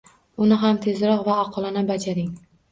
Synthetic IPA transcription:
ʊnɪɦamt̪ʰe̞zɾɒqvaːqʰɒlˠanabad͡ʒaɾɪŋ

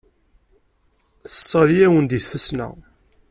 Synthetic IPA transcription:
θəsˤːəɾjæwənd̪iθfəsnæ̰

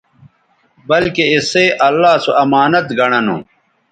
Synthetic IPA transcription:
bɐlkeiseʔɐlːaːsoʔɐmaːnɐt̪ɡɐɽ̃ɐnṵ̃

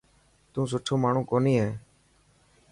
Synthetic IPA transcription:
t̪ũːs̬ʊʈʰoːmaːɳ̤ũːkoːniːɦeː

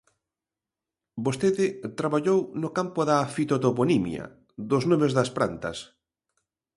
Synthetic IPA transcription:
bost̪eðɪt̪ɾaβaʎownʊkampʊðafit̪ot̪oponimj̰ɐ̰ | ðʊznomezðɐspɾa̰nt̪ɐ̰s

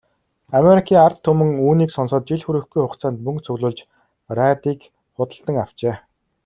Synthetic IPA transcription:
ameɾikʰiːŋart̪ʰːɵmɵ̆ŋuːniːksɔnsɔ̆ːt̪̚t͡ɕiɮxuɾɘ̆xɡujχʊqt͡saːnt̪̚mɵŋkt͡sʰɵɣɮʊːɮt͡ɕ | rat̪iːk | χʊt̪ə̆ɬt̪ə̆ŋaw̥t͡ɕeː

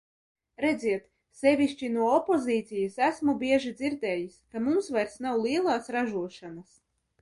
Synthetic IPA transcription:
ɾɛd̪ziɛt̪ | sɛvʲiʃt͡ʃinuɔɔpoziːt̪sʲijasæsmubʲiɛʒid̪ziɾd̪ɛːjisʲkamumsvajɾsnawlˠiɛlˠɑːsɾaʒuɔʃanas

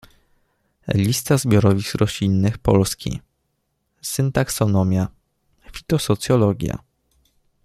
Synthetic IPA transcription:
lʲist̪azbʲjɔɾɔvʲixɾɔɕlʲinːɘxpɔlskʲḭ | sɘnt̪aksɔnɔmʲja | fʲit̪ɔsɔt̪sjɔlɔɡʲja̰

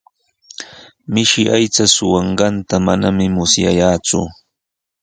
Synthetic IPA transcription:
mɪʃɪʔajt͡sasʊwɑɴɢɑnt̪amanamɪmʊsja̰jaːt͡sʊ̰

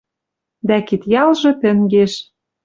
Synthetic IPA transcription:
d̪ækit̪jɑlʒɤ̆t̪ɘ̆ŋɡeʃ

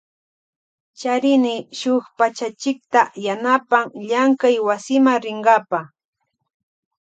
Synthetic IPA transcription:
t͡ʃaɾɪnɪʃʊχpat͡ʃat͡ʃɪk̚t̪ajanapaŋʎaŋkajwasɪmaŋɾɪɴɢɑpa

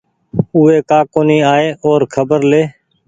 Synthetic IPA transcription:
ʊːeːkaːkoːniːaːeːʔoːɾkʰəbəɾleː

